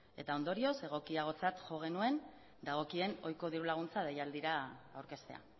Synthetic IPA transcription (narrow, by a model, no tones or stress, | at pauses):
e̞̰t̪ao̞nd̪o̞ɾio̞se̞ɣ̞o̞kiaɣ̞o̞t͡sat̪ʝo̞ɣ̞e̞nue̞n | d̪aɣ̞o̞kie̞no̞jko̞ðiɾulaɣ̞unt͡sað̞ejald̪iɾaːwɾke̞st̪e̞̰a̰